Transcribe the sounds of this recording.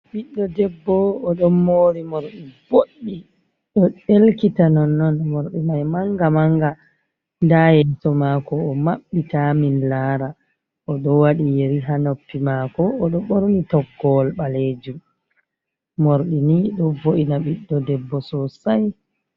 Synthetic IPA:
ɓiɗːɔdɛbːɔːɗɔmːoːɾimoɾɗivoɗːi | ɗɔelkitanɔnːɔnmoɾɗimajmaŋɡamaŋɡa | ndajɛtɔmakɔːmaɓːitaminlaːɾa | ʔɔɗɔwaɗijeɾiɦanopːimakɔːɗɔɓoɾnitɔɡːɔlɓaleːd͡ʒum | moɾɗiniɗɔvoʔinaɓiɗːɔdɛbːɔsɔsaj

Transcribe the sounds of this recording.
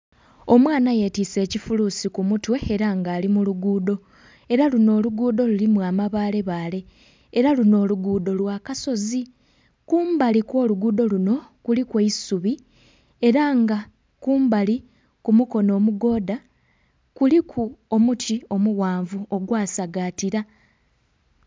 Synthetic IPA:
o̞mwaːnaje̞tise̞ːcifuluːsikumutwe̞ːɾaŋɡaːlimuluɡuːdo̞ | e̞ɾaluno̞ːluɡuːdo̞lulimwaːmaβaːle̞βaːle̞ː | ɾaluno̞ːluɡuːdo̞lwaːkaso̞zi | kuːmbalikwo̞ːluɡuːdo̞luno̞kulikweisuβi | e̞ɾaŋɡa | kuːmbali | kumuko̞no̞ːmuɡo̞ːda | kulikʰuomutio̞muɣaːɱvuo̞ɡwaːsaɡatiɾa

